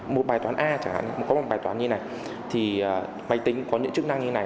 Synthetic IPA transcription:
mo˨˩t̚ɓaː˨˩jt̪waː˨˦nʔaː˧t͡ɕa˨˧˩ŋha̰˧˨n˨˩m˨˩kɔ˨˦mo˨˩t̚ɓaː˨˩jt̪wːnɲɨ˧na˨˩j | t̪ʰi˨˩əː˨˩ | ma˨˧˩jt̪ï˨˦ŋ̟kɔ˨˦ɲɨ̰˧˥ŋt͡ɕɨ˦˥kna˧ŋɲ˧na˨˩j

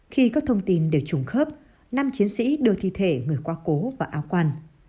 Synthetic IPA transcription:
xi˧kɔː˦˥k̚t̪ʰə˧wŋ͡mt̪i˧nɗe˧˩wt͡ɕʊ˨˧˩ŋ͡mxəː˦˥p̚ | na˧mt͡ɕi˨˦ənsḭ˧˥ɗɨ˧ət̪ʰḭ˧˨t̪ʰe˧˩ŋɨ˨˩əjkwaː˧ko˨˦vaː˨˩ʔaː˧wkwa˧n

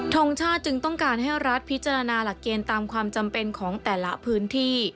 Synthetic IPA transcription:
t̪ʰo˧ŋt͡ɕʰaː˥˩t̪̚t͡ɕɯ˧ŋt̪ɔ˥˩ŋkaː˧nɦa˥˩jɾa˦˥t̪̚pʰi˦˥t̪̚t͡ɕa˧ɾa˧naː˧la˨˩kːeː˧nt̪aː˧mkʰwaː˧mt͡ɕa˧mpe˧nkʰɔː˩˦ŋt̪ɛː˨˩la˦˥pʰɯː˦˥nt̪ʰiː˥˩

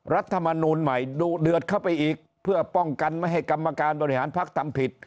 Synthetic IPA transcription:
ɾa˦˥t̪ʰːa˧ma˧nuː˧nma˨˩jduː˨˩dɯ˨˩ət̪̚kʰa˥˩wpa˧jʔiː˨˩k̚ | pʰɯ˥˩ɐpɔ˥˩ŋka˧nmaː˥˩jɦa˥˩jka˧mːa˧kaː˧nbɔː˧i˥˩haː˩˦npʰa˦˥k̚t̪ʰa˧mpʰi˨˩t̪̚

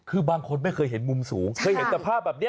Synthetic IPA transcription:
kʰɯː˧baː˧ŋkʰo˧nma˥˩jkʰɤː˧jɦe˩˦nmu˧msuː˩˦ŋkʰɤː˧jhe˩˦nt͡ɕa˧pʰaː˥˩p̚bɛː˨˩ni˥˩

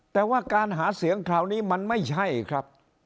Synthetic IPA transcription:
t̪ɛː˨˩waː˥˩kaː˧nɦaː˩˦˥si˨˦əŋkʰɾaː˧˩wniː˦˥ma˧nma˥˩jt͡ɕʰa˥˩jkʰɾa˦˥p̚

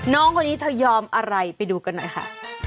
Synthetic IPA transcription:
nɔː˦˥ŋkʰa˧nːiː˦˥t̪ʰa˧˩jɔː˧mʔa˧ɾa˧jpa˧jduː˧ka˧nːɔ˨˩jkʰa̰˥˩

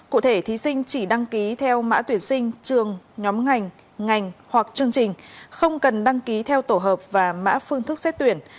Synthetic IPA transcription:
kṵ˧˨t̪ʰe˧˩t̪ʰi˨˦sï˧ŋ̟t͡ɕi˧˩ɗa˧ŋki˨˦t̪ʰɛ˧wma̰ː˧˥t̪wi˧˩ənsï˧ŋ̟t͡ɕɨ˨˩əŋɲɔ˨˦mŋa˨˩jŋ̟ | ŋa˨˩jŋ̟hwa˨˩k̚t͡ɕɨ˧əŋt͡ɕï˨˩ŋ̟xə˧wŋ͡mkə˨˩nɗa˧ŋki˨˦t̪ʰɛ˧wt̪o˧˩ɦəː˨˩p̚vaː˨˩ma̰ː˧˥fɨ˧əŋt̪ʰɨ˦˥k̚sɛ˦˥t̚t̪wi˧˩ən

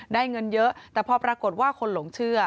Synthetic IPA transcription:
daː˥˩jŋɤ˧njɤ˦˥ʔt̪ɛː˨˩pʰɔː˧pɾaː˧ko˨˩t̪̚waː˥˩kʰo˧nlo˩˦ŋt͡ɕʰɯ˥˩ɐ

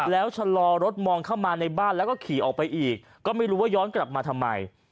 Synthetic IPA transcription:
lɛː˦˥wt͡ɕʰa˧lɔː˧ɾo˦˥t̪̚mɔː˧ŋkʰaː˥˩wmaː˧na˧jbaː˥˩nlɛ˦˥wkɔː˥˩kʰiː˨˩˦ʔɔː˨˩pa˧jʔiː˨˩kːɔː˥˩ma˥˩jɾuː˦˥waː˥˩jɔː˦˥nkla˨˩p̚maː˧t̪ʰa˧mːa̰˧j

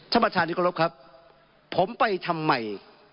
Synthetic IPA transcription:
t̪ʰa˧mpːa˧t̪ʰaː˧nːi˦˥kʰɾo˦˥p̚kʰa˦˥p̚ʰː | o˩˦mpa˧jt̪ʰa˧mːa˨˩j

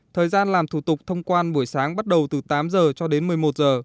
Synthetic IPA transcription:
t̪ʰəː˨˩jzaː˧nlaː˨˩mt̪ʰu˧˩t̪ʊ˨˩k͡p̚t̪ʰə˧wŋ͡mkwaː˧nɓu˧˩əjsaː˨˦ŋɓa˦˥t̚ɗə˨˩wt̪ɨ˨˩t̪aː˨˦mzəː˨˩t͡ɕɔ˧ɗe˨˦nmɨ˨˩əjmo˨˩t̚zəː˨˩

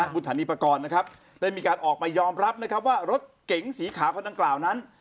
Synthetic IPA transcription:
a˦˥bu˧nt̪ʰaː˩˦niː˧pːa˧kɔː˧nːa˦˥kʰa˦˥p̚ | da˥˩jmiː˧kaː˧nʔɔː˨˩k̚maː˧jɔː˧mɾa˦˥p̚na˦˥kʰa˦˥p̚waː˥˩ɾo˦˥t̪̚ke˨˩˦ŋsiː˩˦kʰaː˩˦wkʰo˧nda˧ŋklaː˨˩wna˦˥n

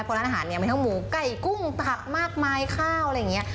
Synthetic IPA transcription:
pʰːna˧˥ʔaː˧ɦaː˩˦nːi˥˩ma˧t̪ʰmuː˩˦ka˧˩jku˥˩ŋt̪ʰa˧˩k̚maː˥˩k̚maː˧jkʰaː˥˩wʔa˧jːŋi˦˥ɐ

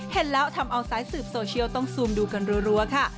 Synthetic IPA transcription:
he˨˦nlɛː˦˥wt̪ʰa˧mʔa˧wsaː˦˥j̚sɯː˨˩p̚soː˧t͡ɕʰi˥˩əwt̪ɔ˥˩ŋsuː˧mduː˧ka˧nɾu˧˦˥ɾu˧˥ɐkʰa˥˩

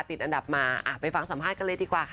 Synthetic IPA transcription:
t̪i˨˩t̪̚ʔa˧nda˨˩p̚maː˧ʔa̰˧˩pa˧jfa˧ŋsa˨˩˦mʰaː˥˩t̪̚ka˧˥nlɤː˧jdiː˧kwaː˨˩kʰ

